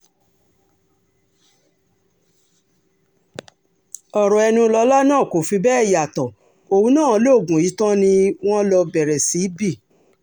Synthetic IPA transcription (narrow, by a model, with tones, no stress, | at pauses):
ɔ˨ɾɔ˨ɛ˧nũ˧lɔ˧la˦nãː˦˨ko˨fĩ˧bɛ˦ɛ˦˨ja˨tɔ̃˨ | o˧wũ˧˦nãː˦˨˧lo˦˨ɡũ˨i˨˦tã˦nĩ˧w̃ɔ̃˦lɔ˧bɛ˨ɾɛ˨si˨˦bi˦˨